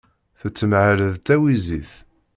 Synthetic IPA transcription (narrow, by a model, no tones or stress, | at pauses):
θət͡sːəmʕəɾəðt̪æwiziθ